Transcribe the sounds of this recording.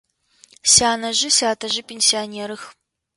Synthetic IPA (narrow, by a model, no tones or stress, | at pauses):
saːnɐʒɪsaːtʰɐʑɪpʰʲensijanʲeːɾɨx